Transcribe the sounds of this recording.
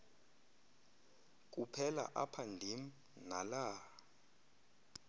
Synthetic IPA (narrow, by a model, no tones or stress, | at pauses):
k̬ʼupʰɛla̰ʔapʰandʱim̩ | nalaː